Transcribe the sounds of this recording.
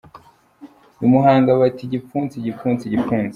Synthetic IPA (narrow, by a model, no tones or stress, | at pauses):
umuɦaːŋɡaβatiɟifuːnt͡siɟifuːnt͡siɟifuːnze